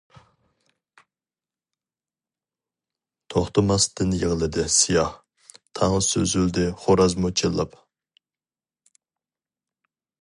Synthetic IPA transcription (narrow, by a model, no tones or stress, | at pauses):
t̪ʰoχt̪əmɑst̪ɨnjəʁlˠɨd̪ɪsijɑh | t̪ʰɑŋəsøzyld̪ɪχoɾɑzmot͡ʃʰilˠːɑp